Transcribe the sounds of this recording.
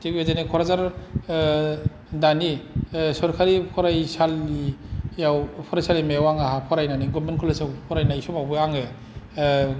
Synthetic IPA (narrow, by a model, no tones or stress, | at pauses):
teezenikʰɔɾazaɾ | danisɔɾkʰaɾikʰɔɾajsalːijawpʰɔɾajsalimewaŋaɦapʰɔɾajnaniɡumenkʰɔlesɯwpʰɔɾajnajsɔbawbɯaŋɯ